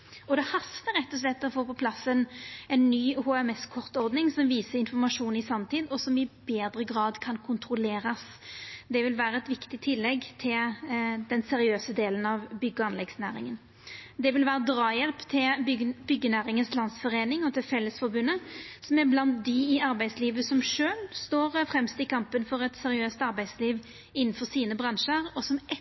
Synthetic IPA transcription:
ɔd̪ɛhɑst̪əɾɛt̪ːɔs̬lɛt̪ːɔfoːpɔpʰlɑsːənɛnːyːhoːɛmɛskʰɔʁt̪ɔɾd̪nɪŋsɔmʋiːsəɪnfɔʁmɑʂuːnɪsɑmt̪ʰiːd̪ɔsɔmɪbeːd̪ɾəɡʁɑːd̪kʰɑnkʰʊnt̪ɾʊleːɾɑs | d̪ɛʋɪlʋæːɾəɛt̪ʋɪkt̪ɪt̪ʰɪlːɛɡt̪ʰɪld̪ɛnsɛɾɪøːsəd̪eːlənɑʋbʏɡːəɑnlɛɡsnæ̰ːɾɪ̰ŋən | d̪ɛʋɪlʋæːɾəd̪ɾɑːjɛlpt̪ʰɪlbʏɡːənæːɾɪŋənslɑnd̪sfɔʁeːnɪŋɔt̪ʰɪlfɛlːəsfɔɾbʉnːəsɔmæɾblɑnt̪̚d̪ɪɪɑɾbæɪd̪sliːʋəsɔmʂøːlst̪oːɾfɾɛmst̪ɪkʰɑmpənfɔɾɛt̪sɛɾɪøːst̪ɑɾbæɪd̪sliːʋ | ɪnːn̩fɔsiːnəbʁɑnʂəɾɔsɔmɛ

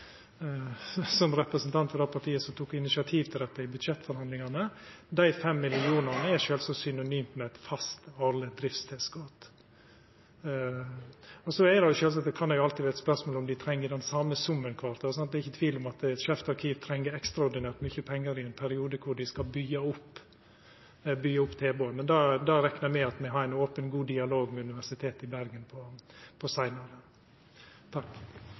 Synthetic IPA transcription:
sɔmɾɛpɾəsnt̪ʰɑnt̪fɔɾd̪ɑpʰɑɾʈʰiːəsɔmt̪ʰuːkɪnɪsɪɑt̪ʰiːʋt̪ʰɪld̪ɛt̪ːɑɪbʉd̪ʃɛt̪ːfɔɾhɑnd̪lɪŋɑnə | d̪æɪfɛmːɪlɪuːnɑnəɛʃøːlsɔsʏnʊnyːmt̪mɛɛt̪fɑst̪ɑlːəd̪ɾɪfst̪ʰɛːsɡɔːt̪ | ɔsɔɛd̪ɛjʊʃøːls̬ɑt̪d̪ɛkʰɑnd̪ɛjʊɑlt̪ɪʋæɾɛt̪spœɾsmoːlɔmd̪ɪt̪ʰɾɛŋːəd̪ɛnsɑməsʊmːənkʰʋɑːɾt̪ʰɑsɑnt̪̚d̪ɛːɾɪçət̪ʰʋiːlɔmɑt̪ɛt̪ʃɛːft̪ɑɾkʰiːʋt̪ʰɾɛŋːəɾɛkst̪ɾɑɔɾɖ̪ɪnæːɾt̪mʏçəpʰɛŋːəɾɪɛnpʰæɾɪuːd̪əkʰʊɖɪskɑlbʏɡːɑʊpː | bʏɡɑʊpːt̪ʰeːboːənmɛnd̪ɑːd̪ɑɾɛknəɾmɛɑt̪mɛɦɑɾæɪnoːpənɡuːd̪ɪɑloːɡmɛʉnɪʋæʂɪt̪ʰeːt̪ɪbæɾɡənpʰɔpʰɔsæɪnɑɾə | t̪ʰɑkː

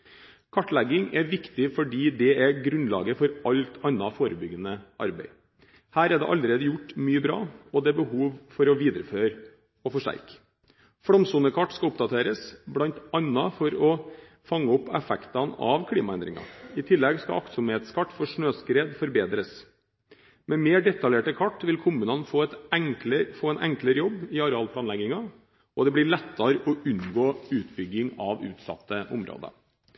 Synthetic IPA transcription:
kʰɑʈːlæɡɪŋɛʋɪkt̪ɪfɔɖiːd̪ɛɛɡɾʉnlɑ̰ːɡəfɔɾɑlt̪ʰɑnːɑfoːɾəbʏɡənəʔɑ̰ɾbɛ̰ɪ | hæːɾɛd̪ɛ̰ʔɑlːəɾeːd̪əjʊʈːmyːəbɾɑ̰ːɔd̪ɛɛbəhuːʋfɔɾɔʋiːd̪ɾəføːɾ | ɔfɔʂʈæ̰ɾk | fɽɔmsuːnəkʰɑʈːskɑʊpd̪ɑt̪ʰeːɾəsblɑnt̪ɑnːɑfɔɾɔ | fɑŋːəɔpːɛfɛkt̪ɑnɑʋkʰliːmɑɛnd̪ɾɪ̰ŋɑ̰ɪt̪ʰɪlːɛɡskɑ̰ʔɑ̰ksʊmheːt̪skʰɑʈːfɔʂɳøːskɾeːd̪fɔɾbeːd̪ɾəs | mɛmeːɖɛt̪ɑljeːʈəkʰɑʈːʋɪlkʰʊmʉːnɑnfoːɛt̪ɛŋkləfoːɛnʔɛŋkləɾəjɔbːɪɑɾɛɑːlpʰlɑːnlɛɡɪŋɑ | ɔd̪ɛblɪɭɛt̪ːɑɾəʔɔʔʉnɡoːʉːt̪bʏɡːɪŋɑʋʉ̰ːt̪sɑ̰t̪ːəʔʊ̰mɾo̰ːd̪ə̰

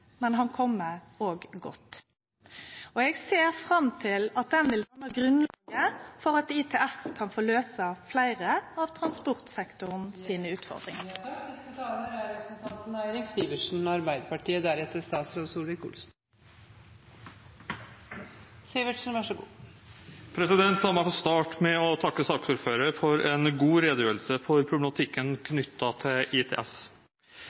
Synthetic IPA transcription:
mɛnɦɑnkʰɔmːəoːɡɡɔ̰t̪ː | ɔɛɡseːʁfʁɑmt̪ʰɪlɑt̪̚d̪ɛnʋɪlæːnəɡʁʉnlːɡəfɔʁɑt̪iːt̪ʰɛːʔɛskʰɑnfoːløːsəflæɪʁəɑʋt̪ʰɾɑnspɔʁt̪sɛkt̪ʊʁnsiːnəʉːt̪fɔ̰ʁd̪ʁɪ̰ŋəɪst̪ət̪ʰɑːlnəɾæɾɛpɾəsnt̪ʰɑnt̪n̩æɪɾɪkst̪iːʋəʂn̩ɑɾbæɪd̪əpɑʈiːəd̪æɾɛt̪ːəst̪ɑːt̪sɾoːd̪suːlɪkʊ̰lsn̩ | siːʋəʈʂn̩ʋɑʂɔɡṵː | pʰɾɛsɪd̪ɛnt̪sɑmæɪfɔst̪ɑːʈmɛɔt̪ʰɑkːəsɑːksuːɾføːɾəɾfɔɾɛnɡuːɾeːd̪jøːəlsəfɔɾpʰɾʊblɛmɑt̪ʰɪkːənkʰnʏt̪ːɑt̪ʰɪlɪt̪ʰḛʔɛs

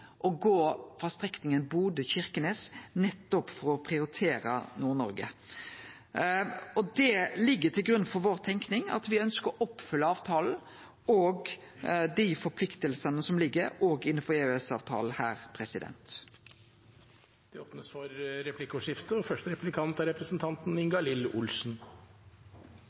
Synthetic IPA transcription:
ʔɔɡoːfʁɑst̪ʁɛknɪŋənbuːd̪əçɪʁkəneːsnɛt̪ːɔpfɔɾɔpʰʁɪʊɾɪt̪ʰeːɾə̰nuːnɔ̰ɾɡə̰ | ɔd̪ɛlɪɡːət̪ʰɪlɡɾʉnfɔɾʋoːʁt̪ʰɛŋknɪŋɑ̰t̪ʋɪœnskəɾɔʔɔpːfʏlːəɑːʋt̪ʰɑːln̩ | ɔɡ | d̪ifɔɾpʰlɪkt̪əlsənəsɔmlɪɡːəɾoːɡɪnːən̩fɔɛøɛsɑ̰ːʋt̪ʰɑ̰ːl̩hæ̰ːʁpʰɾɛsɪd̪ɛ̰nt̪ | d̪̥ɛoːpnəsfɔɾɾɛpʰlɪkʊʂɪft̪əɔfœʂʈəɾɛplɪkʰɑnt̪ɑɾɛpɾəsnt̪ʰɑnt̪n̩ɪŋɡɑlɪlʊ̰lsn̩

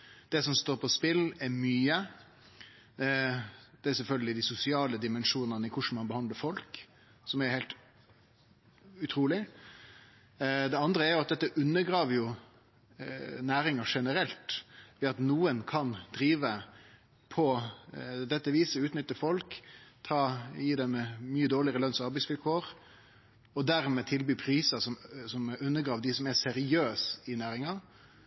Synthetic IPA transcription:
d̪̥ɛsɔmst̪oːɾpʰɔspɪlɛɾmyːə | d̪̥ɛæsɛlfœlɡəlɪd̪ɪsʊsɪɑːləd̪ɪmɛnʂuːnənəɪkʰʊʂn̩mɑnbəhɑnd̪ləɾfɔlk | sɔmɛɾhɛɪlt̪ | ʉt̪ʰɾuːlɪ | d̪ɛɑnd̪ɾəæɾjʊɑt̪̚d̪ɛt̪ːəʔʉnːəɡɾɑːʋəɾjʊ | næːɾɪŋəʂɛnəɾɛlt̪ʋɛɑt̪nuːənkʰɑnd̪̥ɾiːʋə | pʰɔ | d̪ɛt̪ːəʋiːsəʉːt̪nʏt̪ːəfɔlkt̪ʰɑːjiːd̪ɛmɛmyːəd̪oːlɪəɾəlœnsɔɑɾbæɪsʋɪlkʰoːɾ | ɔd̪æɾmɛt̪ʰɪlbyːpʰɾiːsəsɔmsɔmʉnːəɡɾɑːʋd̪ɪsɔmæsɛɾɪøːsɪnæːɾɪŋɑ

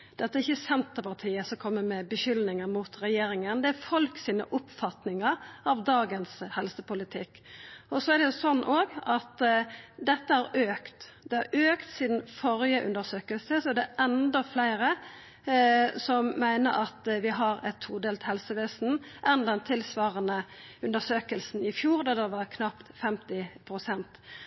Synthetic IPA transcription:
d̪ɛt̪ːəæɾɪçːəsɛnt̪əɾpɑʁt̪ʰiːəsɔkʰɔmːəmɛbəʃʏlnɪŋəɾmʊt̪ɾɛjeːɾɪŋənd̪ɛæɾfɔlksiːnə̰ʔʊpfɑt̪nɪŋəɾɑʋd̪ɑːɡənshɛlsəpʊlɪt̪ʰɪkː | ɔsɔæɖɛʊsɔnːʔoːɡɑt̪d̪ɛt̪ːəhɑɾøːkt̪d̪̥ɛhɑɾøːkt̪sɪd̪n̩fɔɾjəʔʉ̰nd̪əsøːkəlsəsɔɛd̪ɛʔɛnd̪əflæɪɾə | sɔmmæɪnə̰ɾɑt̪ʋɪɦɑɾɛt̪ʰːuːd̪eːlt̪hɛlsəʋeːsn̩ʔɛnd̪ɛnt̪ʰɪlsʋɑːʁənəʉnd̪əsøːkəlsnɪfjuːʁd̪ɛd̪ɛʋɑʁkʰnɑpt̪fɛmt̪ɪpʰɾʊsɛnt̪

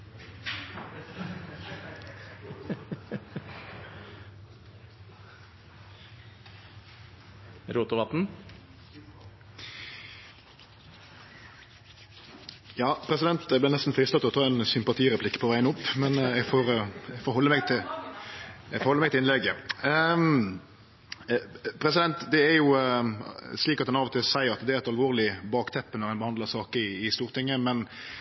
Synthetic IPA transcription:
ɾuːt̪ʊʋɑt̪n̩ | jɑːpʰɾɛsɪd̪ɛnt̪ɛɡb̪ɪʁnɛst̪n̩fɾiːst̪ɑt̪ʰːlɔt̪ʰɑːɛnsʏmpɑt̪ʰiːʁɛpʰlɪkːə̥pʰɔʋæɪnəʊpːmɛnɛɡfoːɾfoːɾhɔlːəmɛɡt̪ʰɪ | ɛɡfɔhɔlːəmɛɪɡt̪ɪlɪnlɛɡə | pʰɾɛsɪd̪ɛnt̪d̪ɛæɾjʊ | sliːkɑt̪hɑnɑʋɔt̪ʰɪlsæɪəɾɑt̪d̪ɛæɾɛt̪ɑlʋoːʁɾlɪbɑːkt̪ʰɛpːənɔɾhɛnbəhɑnd̪ləɾsɑːkəɪɪst̪uːʁt̪ʰɪŋːəmɛn

